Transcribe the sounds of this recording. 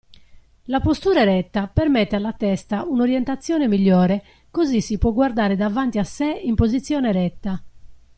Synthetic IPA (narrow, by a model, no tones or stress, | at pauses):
lapost̪uːɾaɛɾɛt̪ːapɛɾmɛt̪ːealːat̪ɛst̪aunoɾjɛnt̪at̪sːjɔːnemiʎːɔːɾɛ | kozisipwɔɡward̪aːɾed̪avant̪iasːɛimpozit̪sːjɔːnɛɾɛt̪ːa